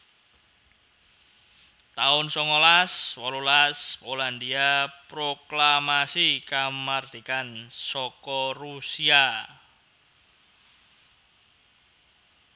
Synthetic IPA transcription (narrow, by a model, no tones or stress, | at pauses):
t̪aʊnsɔŋɔlaswɔlulaspoland̪iapɾoklamasikamard̪̥i̤kansɔkɔrusia